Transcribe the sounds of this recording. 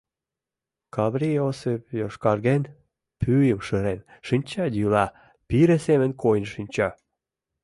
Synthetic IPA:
kɑβriosepjoʃkɑrɣen | pʰyjəmʃəɾenʃinʲt͡ɕɑd̪ylɑ | piɾesemə̆nkʰojnʃinʲt͡ɕɑ

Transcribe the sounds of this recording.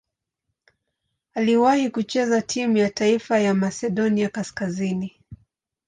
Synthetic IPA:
aliwahikut͡ʃɛzatʰimujataifajamasɛɗɔniakaskazini

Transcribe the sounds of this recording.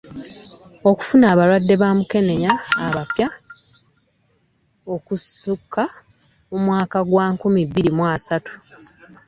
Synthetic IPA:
o̞ku̥funaːβaɾwadːe̞βaːmuke̞ne̞ɲaːβapja | o̞kusukʰːa | umwaːkaɡwaːŋkumibːiɾimwasatu̥

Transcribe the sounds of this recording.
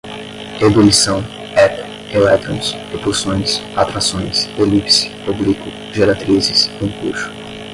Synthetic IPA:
ed̪ulisɐ̃w̃ | ɛt̪ | elɛt̪ɾõs | epulsõj̃sat̪ɾasõj̃selipsɪ̥publikʊ | ʒeɾat̪ɾizɪsĩkṵɾsʊ̥

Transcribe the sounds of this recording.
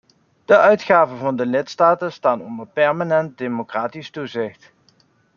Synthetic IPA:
d̥əʔœɥtχaːvəvɑndəlɪtstaːtənstaːnɔ̰ndəɹpɛɹmanɛnt̚demokraːtistuzɪxt

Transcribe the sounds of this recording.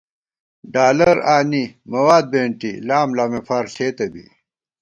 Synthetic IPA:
ɖaːlɐɾaːnimɐwaːd̪̚beɳʈilaːmlaːmefaːɾseːt̪ɐbḭ

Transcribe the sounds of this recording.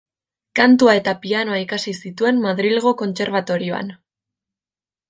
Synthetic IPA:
kant̪uae̞t̪apiano̞aikasisit̪ue̞nmaðɾilɣ̞o̞ko̞nt͡se̞ɾβat̪o̞ɾioa̰n

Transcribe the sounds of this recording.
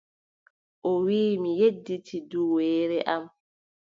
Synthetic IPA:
ʔɔwiːmijedːitʰiduwɛːɾɛʔam

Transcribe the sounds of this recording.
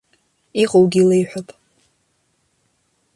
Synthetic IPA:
iqʼowɡʲilejħʷᶣapʼ

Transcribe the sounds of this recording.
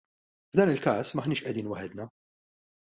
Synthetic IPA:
vd̪ɐːnɪlkɐːsmɐħniːʃʔɛd̪iːnwɐħɛd̪nɐ

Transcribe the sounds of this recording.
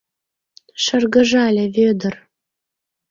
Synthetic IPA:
ʃə̆rɣə̆ʒɑlʲĕβød̪ə̆r

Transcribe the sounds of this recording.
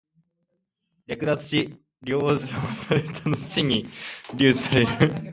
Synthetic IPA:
jʲjakɯ̟d̪at͡sɨ̥ɕi | ɾʲoːʑosaɾet̪ʰanoɕiɲ̟iɾʲɨːsɨ̥saɾe̞ɾɯ̟

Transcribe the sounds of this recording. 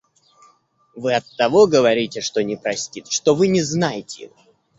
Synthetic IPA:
vɨɐt̪ːɐvo̞ɡəvɐɾʲitʲɪʂt̪o̞nʲɪpɾɐsʲtʲit̪ʂt̪ovɨnʲɪznajɪtʲɪɪ̰o

